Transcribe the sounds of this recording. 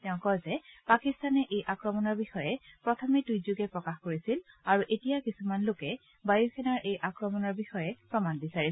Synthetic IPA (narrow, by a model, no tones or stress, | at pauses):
tɛʊ̃kɔjzɛpakistanɛʔejʔakɹɔmɔnɔɹbixɔjɛpɹɔtʰɔmedujzuɡɛpɹɔkaxkoɹisilaɹuʔetijakisumanlokɛ | bajuxʰɛnaɹʔejʔakɹɔmɔnɔɹbixɔjɛpɹɔmanbisaɹi